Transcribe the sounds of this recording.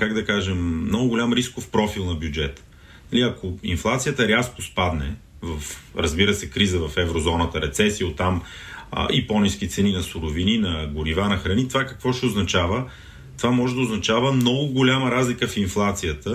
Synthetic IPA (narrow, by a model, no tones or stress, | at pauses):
kaɡd̪ɐkaʒɛmːnɔɡʊɡʊlʲamɾiskʊfpɾɔfilˠnɐbjʊd͡ʒɛt̪ə̥ | nɐliɐkoinflˠat̪sijət̪əɾʲaskʊspad̪nɛ̰ | vɐfɾɐzbiɾəsɛkɾizəvɐfɛvɾozɔnət̪əɾɛt̪sɛsiot̪ːam̰ | ʔipɔnisk̟it̪sɛninɐsʊɾʊvininɐɡʊɾivanɐxɾɐnit̪ovakɐkvɔʃɛʊznɐt͡ʃavə | t̪ovamɔʒɛd̪əʊznɐt͡ʃavəmnɔɡʊɡʊlʲaməɾazlikəfinflˠat̪sijət̪ə